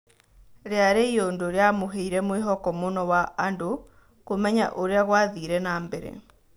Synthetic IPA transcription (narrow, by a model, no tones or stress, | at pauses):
ɾeaɾeiondoɾeamoɦeiɾɛmweɦɔkɔmonɔwaando | komɛɲaʔoɾeaɣwaðiɾɛnaːmbɛɾɛ̰